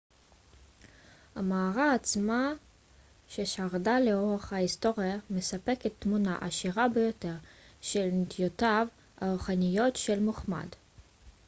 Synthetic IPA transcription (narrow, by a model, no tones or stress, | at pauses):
hamaːʁaːt͡sma | ʃe̞ʃaʁdaleoʁaχhaisto̞ʁijame̞sape̞ket̪ːmuna̰ʔaʃiʁabejo̞te̞ʁʃe̞lnit̪ijotav | a̰ʁuχanijo̞tʃe̞lmoχma̰d